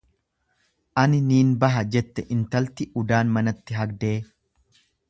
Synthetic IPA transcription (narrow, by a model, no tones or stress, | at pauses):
ʔɐnɪniːnbɐɦɐd͡ʒɛt̪ːɛʔɪnt̪ɐlt̪ɪʊd̪aːnmɐnɐt̪ːɪɦɐɡd̪e̞ː